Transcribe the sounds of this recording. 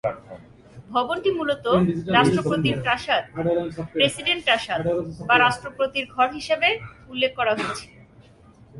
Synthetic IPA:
bʱɔbont̪imulot̪oɾaʃʈɾopɾot̪iɾpɾaʃad̪̚pɾesiɖeɳʈɾaʃad̪baɾaʃʈɾopɾot̪iɾɡʱɔɾɦiʃebe | ulːekʰːɔɾaɦoet͡ɕʰi̥

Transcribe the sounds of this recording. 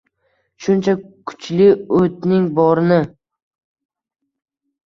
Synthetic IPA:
ʃʊnt͡ʃʰakʰʊ̥t͡ʃlɪɵt̪̚nɪŋbɒɾnɪ

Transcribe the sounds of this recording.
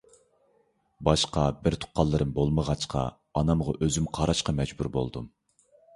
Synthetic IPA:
bɑʃqɑbɪɾt̪ʰʊ̥qːɑlˠːɨɾɨmbolˠməʁɑt͡ʃqʰɑ̰ | ɑnɑmʁɑʔøzymqʰɑɾɑʃqɑmɛd͡ʒbuɾbo̰lˠd̪um

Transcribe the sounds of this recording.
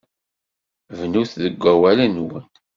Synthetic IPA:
vnuθðəɡʷːæwælænwən

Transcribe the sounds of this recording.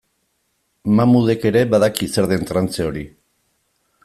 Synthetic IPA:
mamuðeke̞ɾe̞baðakise̞ɾðe̞nt̪ɾant͡se̞o̞ɾi

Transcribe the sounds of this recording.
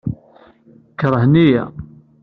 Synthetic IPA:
kːɾˤəhnijæ̰

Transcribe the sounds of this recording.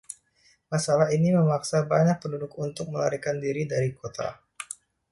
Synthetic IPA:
masalaɦiniməmaksabaɲak̚pəndudʊkunt̪ʊk̚məla̰ɾikandiɾidaɾikot̪ʰa̰

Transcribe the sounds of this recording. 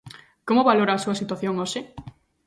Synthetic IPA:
komoβaloɾaːsuɐsit̪waθjoŋoʃɪ

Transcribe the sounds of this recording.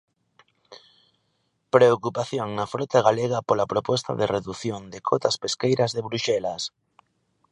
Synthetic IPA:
pɾeokupaθjoŋnafɾɔt̪aɣaleɣ̞ɐpolapɾopɔst̪a̰ðereðuθjond̪ekʰot̪ɐspeskejɾɐzðeβɾuʃɛlas

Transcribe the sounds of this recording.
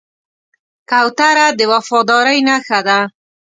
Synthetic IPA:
kawt̪aɾad̪əwafɑd̪ɑɾajnaxad̪a

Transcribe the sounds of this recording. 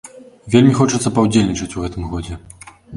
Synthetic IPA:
vʲelʲmʲixɔt͡ʂɐt̪sɐpɐwd͡zʲelʲnʲit͡ʂɐt͡sʲuɣɛt̪ɨmɣɔd͡zʲɛ

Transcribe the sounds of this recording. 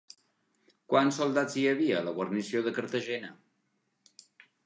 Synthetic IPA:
kwansːulˠd̪aziəβiəːləɣwərnisioðəkəɾt̪əʒɛnə

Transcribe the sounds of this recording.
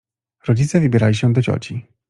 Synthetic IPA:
ɾɔd͡ʑit̪sɛvɘbʲjɛɾalʲiɕɛd̪ɔd͡ʑɔ̰t͡ɕi

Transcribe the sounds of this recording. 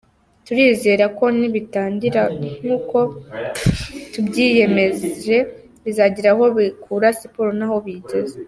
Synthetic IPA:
tuɾiːze̞ːɾako̞niβitaːɲɟiɾaŋ̥uːko̞ | tubɟiːje̞me̞ze̞ | βizaɟiɾaɦo̞βikʰuːɾasipoɾonaho̞βiɟe̞ze

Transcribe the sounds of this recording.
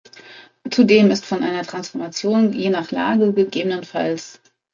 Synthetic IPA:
t͡sudeːmɪstfɔnʔa̰ɪnɐtʁ̥ansfɔɐmat͡sjoːnjeːnaːχla̰ːɡəɡəɡeːbənənfals

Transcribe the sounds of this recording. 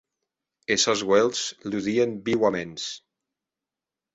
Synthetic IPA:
esɔzɣwelˠzluðiembiwamens

